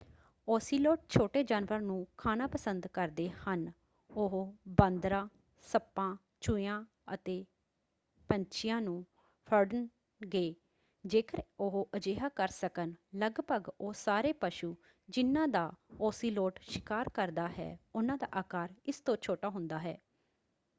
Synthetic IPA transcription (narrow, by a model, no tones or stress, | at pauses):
oːsiːloːʈ̚t͡ʃʰoːʈeːd͡ʒaːnʋəɾnũːkʰaːnaːpəsənd̪kəɾd̪eːhən | ʊɦbənd̪ɾãː | səpːãː | t͡ʃʊjãː | ət̪eː | pəɲt͡ʃɪjãːnũː | pʰəɾɖən | ɡeː | d͡ʒeːkəɾʊɦoʔəd͡ʒeːɦaːkəɾsəkənləɡpəɡoːsaːɾeːpəʃuː | d͡ʒɪnːãːd̪aːoːsiːloːʈʃɪ̥kaːɾkəɾd̪aːɦɛ̰ːʊnãːd̪a̰ːʔaːkaːɾɪst̪õːt͡ʃʰoːʈaːɦʊ̃nd̪aːɦɛ̰ː